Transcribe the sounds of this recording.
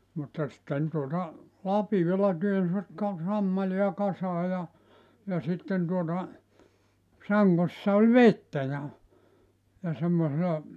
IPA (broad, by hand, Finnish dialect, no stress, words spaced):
mutːɑ sĭtːen tuotɑ lɑpiolɑ tyønsʋæt kɑ sɑmːɑliɑ kɑsɑː jɑ jɑ sitːen tuotɑ sɑŋːosːɑ olʲ ʋetːæ jɑ jɑ semːoselɑ